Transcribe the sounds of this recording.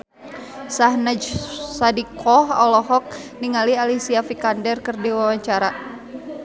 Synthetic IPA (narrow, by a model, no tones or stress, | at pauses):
sahnad͡ʒsadikʰɔɦɔ̰lɔɦɔk̚ | niŋalialisiafikandɛrkɨrdiwawaɲt͡ʃaɾa